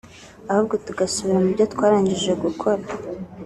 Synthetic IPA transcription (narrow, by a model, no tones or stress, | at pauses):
ahub̚ɡo̞tuɡasuβiɾamubɟotkwaːɾaːɲɟiʒe̞ɡukʰo̞ɾa